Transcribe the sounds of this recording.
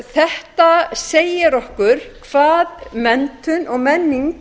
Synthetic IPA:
θɛht̪aseːjɪɾɔhkʏɾ̥kʰv̥aːðmɛnt̪ʏnɔɣmɛnːiŋk

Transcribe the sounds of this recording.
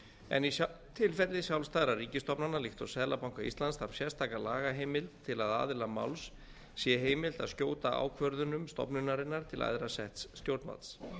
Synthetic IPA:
ɛ̰ni | t̪ʰɪlfɛɾlɪsjawlst̪ajðɾariːcɪst̪ɔpnanalɪxt̪ɔsɛðlapawŋkaḭst̪lanst̪aɾsjɛst̪ʰaːkalaːɣaɦejmɪlt̪ʰːɪlaða̰ːðɪlama̰wlsː | jɛɦeːjmɪlt̪aðscoːwt̪aa̰ːwkʰvœɾðʏnʏmst̪ɔ̰pnʏnaɾɪnːaɾ̥t̪ʰɪlʔa̰jðɾasɛht̪sːt̪jowɾt̪ma̰t̪s

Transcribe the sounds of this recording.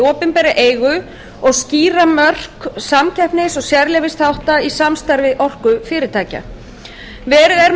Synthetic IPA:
ɔːpɪnpɛːɾɪʔeːjɣʏ | ɔɣsciːɾamœr̥ksamcʰɛhpnɪsɔɣsjɛɾlɛvɪst̪hawht̪aisamst̪aɾvɪʔɔr̥kʏfɪːɾɪt̪ʰaːca̰ | vɛːɾɪðɛɾ

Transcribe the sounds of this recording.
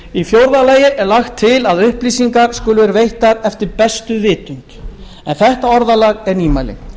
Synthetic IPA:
ifjowɾðalaːjɪʔɛɾlaxt̪ʰːɪlaðʏhpliːsiŋkaɾ̥skʏːlʏvɛːɾavejht̪aðɛft̪ɪɾpɛst̪ʏvɪːt̪ʏŋt̪ | ɛnθɛht̪aɔɾðalaɣɛɾniːmajlɪ̰

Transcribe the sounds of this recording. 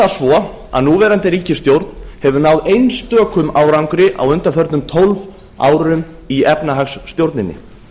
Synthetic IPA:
asvɔ | a̰ðnuːvɛːɾant̪ɪɾiːcɪst̪jowɾt̪nhɛvʏnaːwðejnst̪œːkʏmaːwɾawŋkɾɪʔa̰wʏnt̪aɾfœɾt̪nʏmt̪ʰolv | a̰ːwɾʏm | iɛpnaɦaksːt̪jowɾt̪nɪnːɪ̰

